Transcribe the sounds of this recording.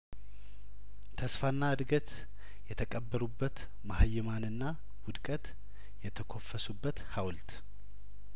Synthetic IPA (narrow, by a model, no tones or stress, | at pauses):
t̪ʰəsfanːaɨd̪ɡət̪ | jɛt̪ʰəkʼəbːəɾubːət̪ | mahajːɪmanɨnːa | wʊd̪kʼət̪ | jɛt̪ʰəkʰo̞fːəsubːət̪hawlt̪